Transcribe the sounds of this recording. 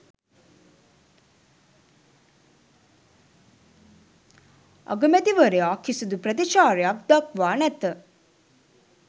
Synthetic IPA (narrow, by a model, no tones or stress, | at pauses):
a̰ɡəmɛt̪iʋəɾejaːkʰːisud̪upɾət̪iʃaːɾejak̚d̪akʋaːnɛt̪ə